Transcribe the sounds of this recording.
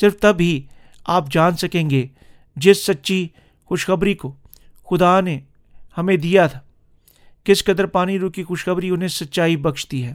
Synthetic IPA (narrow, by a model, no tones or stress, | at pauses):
sɪɾft̪ɐbɦi | aːpd͡ʒaːnsɐkẽːŋɡe | d͡ʒɪsːɐtːʃi | xʊʃxɐbɾiko | xʊd̪ane | hɐmẽd̪ijat̪ʰḁ | kɪskɐd̪əɾpaːniɾʊkixʊʃxɐbɾiʊnɦẽsɐtːʃaːibɐkʃt̪iɦɛː